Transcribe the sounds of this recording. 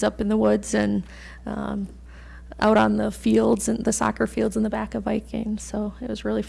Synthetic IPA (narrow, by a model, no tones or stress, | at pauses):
zʌpn̩ðəwʊdz̥ɨ̃n | ʌ̰̃m | ʔa̰ʊɾn̩ðəfilˠdz̥ɨ̃nðɨsɑ̰kə˞filˠdzə̃nðəbækʌvaɪk̚ɪ̰̃nsoʊɨʔ̚wʌzɹɪlˠi